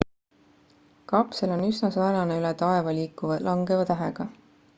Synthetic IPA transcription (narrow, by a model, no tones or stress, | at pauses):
kɑpselo̞nysnɑsɑːnɑneylɛt̪ɑe̞vɑliːkːˑuvlʔɑŋɡe̞vɑt̪æɦḛɡ̥ɑ